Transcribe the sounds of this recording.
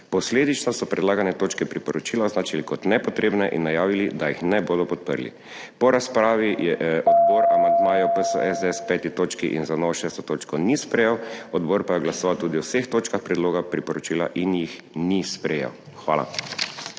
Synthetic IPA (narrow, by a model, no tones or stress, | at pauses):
pɔsleːd̪it͡ʃnɔsɔpɾɛd̪laːɡanɛt̪oːt͡ʃkɛpɾipɔɾɔt͡ʃiːlaɔznaːt͡ʃilikɔt̪nɛpɔt̪ɾeːbnɛʔḭnːajaːʋilid̪ajixnɛboːd̪ɔpɔt̪̚pə̰ɾlḭ | pɔɾaspɾaːʋijɛʔɔd̪boːɾamand̪maːjɔpəsɔ̰ʔɛzɛspɛːt̪it̪oːt͡ʃkiʔḭnzanɔʋɔʃɛːst̪ɔt̪oːt͡ʃkɔnispɾɛjɛwɔd̪boːɾpajɛɡlasɔʋawt̪uːd̪iɔwsext̪oːt͡ʃkaxpɾɛd̪loːɡapɾipɔɾɔt͡ʃiːla̰ʔinjix | nispɾɛjɛ̰w | xʋa̰ːla̰